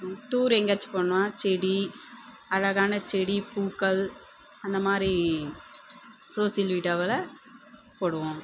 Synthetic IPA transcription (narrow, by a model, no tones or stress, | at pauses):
ʈuːɾɛŋɡɐt͡ʃpoːɳːʋaːt͡ʃɛɽi | ɐɻɐɣaːnɐt͡ʃɛɽipuːkɐl | ɐnd̪ɐmaːd̪ɾi | soːsɪjɐlʋiːʈaːʋɐlɐ | poːɽɯʋõː